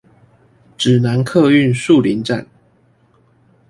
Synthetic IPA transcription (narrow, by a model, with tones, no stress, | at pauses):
ʈ͡ʂɻ̩˨˩na˨˦nkʰɤ˥˧y˥˨nʂu˥˨li˨˦nʈ͡ʂa̰˥˨n